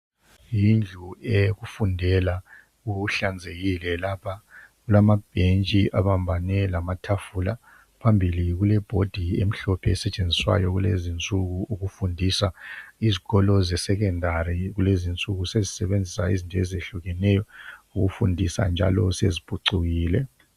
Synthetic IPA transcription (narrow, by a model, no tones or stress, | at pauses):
jind͡ɮʱueɣufundʱɛla | uɬand͡zʱeɣilɛlapʰaɣulamab̥ʱent͡ʃʼiʔa̰βambʱanɛlamatʰafula | pʰambʱiliɣulɛb̥ʱod̥ʱiem̩ɬɔpʰɛːsɛt͡ʃʼend͡zʱiswa̰jɔɣulezint͡sʼuɣuuɣufundʱisaiziɣɔlɔzɛsɛɣ̬ɛndʱaɾiɣulezint͡sʼuɣusezisɛβend͡zʱisaizintʰʼɔɛzeɬuɣɛnɛjɔuɣufundʱisa̰nd͡ʒʱa̰lɔsezib̥ʱʼuǀuɣiːlɛ